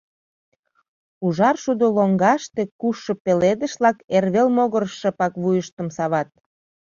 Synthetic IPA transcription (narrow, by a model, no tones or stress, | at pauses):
uʒɑrʃud̪oloŋɡɑʃt̪e̽kuʃːə̆peled̪ə̆ʃlɑkerβelmoɣərʃə̆pɑkβujəʃt̪ə̆msɑβɑt̪̚